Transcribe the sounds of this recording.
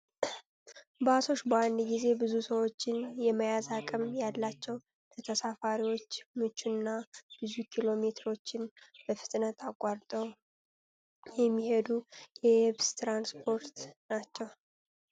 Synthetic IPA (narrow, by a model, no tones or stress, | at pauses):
basʰo̞ʃbəand̪ɡize̞bɨzusəwo̞t͡ʃːɪnjɛməjazakʼəmjalːat͡ʃːɛw | lət̪ʰəsafaɾiwo̞t͡ʃːmɨt͡ʃːunːab̥ɨzukʰilo̞me̞t̪ʰɾo̞t͡ʃːɪnbəfɨ̥t̪ʼnət̪ʰakʼːaɾt̪ʼəw | jɛmːihe̞d̪ujɛɛβst̪ɾanspʰo̞ɾt̪nat͡ʃːɛw